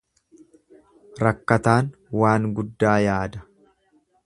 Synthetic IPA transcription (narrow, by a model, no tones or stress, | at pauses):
ɾɐkːɐt̪aːnwaːŋɡʊd̪ːaːjaːd̪ɐ̥